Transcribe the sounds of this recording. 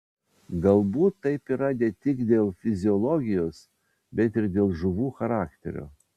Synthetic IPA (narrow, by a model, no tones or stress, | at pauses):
ɡɐlˠbuːt̪ːɐɪpiːɾɐd̪ʲɛt̪ʲɪkd̪ʲeːlˠfʲɪzʲɪɔlˠɔɡʲɪjoːs | bʲɛt̪ʲɪɾd̪ʲeːlˠʒʊʋuːxɐɾɑːkt̪ʲɛ̰ɾʲo̰